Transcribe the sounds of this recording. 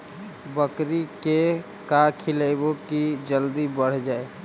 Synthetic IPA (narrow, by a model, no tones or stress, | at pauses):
bəkɾike | kakʰiləɪbokid͡ʒəld̪ibəɽ̤d͡ʒaːe